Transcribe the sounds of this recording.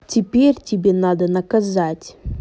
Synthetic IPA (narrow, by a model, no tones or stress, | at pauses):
tʲɪpʲerʲtʲɪbʲenad̪ənɐkɐzatʲ